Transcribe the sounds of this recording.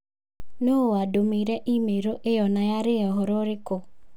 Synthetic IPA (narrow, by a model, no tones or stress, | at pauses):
noadomiɾeʔimeɾoʔɪjɔnajaɾɪjɔɦʊɾʊɾɪkʊ